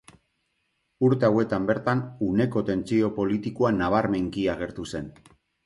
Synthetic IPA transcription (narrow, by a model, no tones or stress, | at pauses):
uɾt̪e̞awe̞t̪ambe̞ɾt̪anune̞ko̞t̪e̞nt͡sio̞po̞lit̪ikoanaβ̞aɾme̞ŋkiaɣ̞e̞ɾt̪use̞n